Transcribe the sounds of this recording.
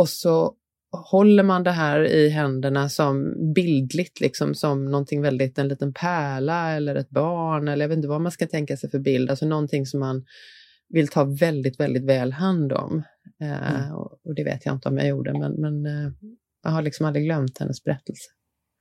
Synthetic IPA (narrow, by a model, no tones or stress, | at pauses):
ɔsɔ | hɔlːəɾmand̪ɛɦæːɾɪɦɛnd̪əɳasɔmbɪld̪lɪɡt̪ʰlɪksɔmsɔmnɔnt̪ʰɪŋːvɛld̪ɪt̪ɛnliːt̪ənpʰæːɭaɛlːəɾɛt̪̚bɑːɳɛlːəjɑvet̪nt̪əvaɔmːanskant̪ʰɛŋkasɛjfœɾbɪld̪alsɔnɔnt̪ʰɪŋsɔmːan | vɪlt̪ʰɑːvɛld̪ɪt̪vɛld̪ɪt̪vɛːlɦand̪ɔ̰m | ɛ̰ɔ̰ɔd̪ɛvḛːt̪ʰja̰ɪ̰nt̪əɔ̰mja̰juːɖə̰mɛ̰nmɛn | ja̰haɭɪksɔmald̪ɾɪɡlœmt̪hɛ̰nːəsb̥ɛɾɛt̪ʰːəlsə̥